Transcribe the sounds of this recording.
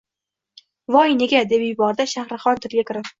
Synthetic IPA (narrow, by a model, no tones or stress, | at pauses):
vɒjne̞ɡʲad̪e̞pjʊbɒɾd̪aʃahɾɨχɒnt̪ʰɪɾɡʲakʲʰɪɾɪ